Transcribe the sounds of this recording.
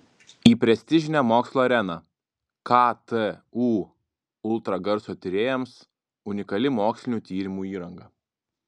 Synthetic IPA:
iːpʲɾʲɛsʲt̪ʲɪʒʲɪnʲɛmoːkslˠoːɐɾʲɛnɑ | kɑt̪əuː | ʊlˠt̪ɾɐɡɐɾsoːt̪ʲɪɾʲeːjɛms | ʊnʲɪkɐlʲɪmoːksʲlʲɪnʲuːt̪ʲiːɾʲɪmuːiːɾɐŋɡɐ

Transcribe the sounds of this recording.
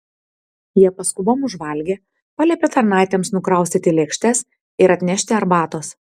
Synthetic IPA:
jiɛpɐskʊboːmʊʒʋɐlʲɡʲeː | pɑlʲɛpʲet̪ɐɾnɑˑɪt̪ʲɛmsnʊkɾɐˑʊsʲt̪ʲɪt̪ʲɪlʲeːkʃʲt̪ʲɛs | ɪɾɐt̪ʲnʲɛʃʲt̪ʲɪɐɾbɑːt̪oːs

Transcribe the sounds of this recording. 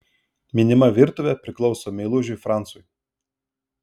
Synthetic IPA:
mʲɪnʲɪmɐʋʲɪɾt̪ʊʋʲɛpʲɾʲɪklˠɒʊsoːmʲɛɪlˠʊʒʲʊɪfɾɑˑnt̪sʊj

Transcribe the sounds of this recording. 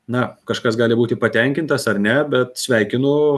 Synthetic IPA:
nɐkɐʃkɐsɡɑːlʲɪbuːt̪ʲɪpɐt̪ʲɛŋʲkʲɪnt̪ɐsɐrnʲɛbʲɛt̪sʲʋʲɛɪkʲɪnʊ

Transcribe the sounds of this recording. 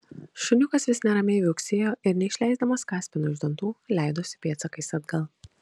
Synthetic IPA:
ʃʊnʲʊkɐsʋʲɪsʲnʲɛɾɐmʲeːʋʲɪʊksʲeːjoːʔɪɾnʲɛɪʃʲlʲæˑɪzd̪ɐmɐskɑːsʲpʲɪnʲʊʒʲd̪ʲɛnt̪uːlʲæˑɪd̪oːsʲɪ̥pʲiɛt̪sɐkɐɪsɐd̪ɡɐlˠ

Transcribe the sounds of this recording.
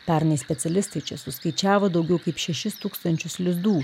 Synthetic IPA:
pʲæɾnɐɪsʲpʲɛt̪sʲɛlʲɪst̪ɐɪt͡ʃʲɛsʊskɐɪt͡ʃʲæːʋod̪ɐʊɡʲɛʊkɐɪpʃʲɛʃʲɪst̪uːkst̪ɐnʲt͡ʃʲʊslʲɪzd̪uː

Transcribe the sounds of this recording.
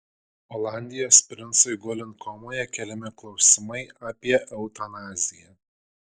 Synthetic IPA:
ɔlˠɑˑnʲd̪ʲɪjoːsʲpʲɾʲɪnsoɪɡɔlʲɪnkʰɔmoːjɛkʲɛlʲɛmʲɪklˠɒʊsʲɪmɐɪaːpʲiɛʔɛʊt̪ɐnɑːzʲɪjɛ

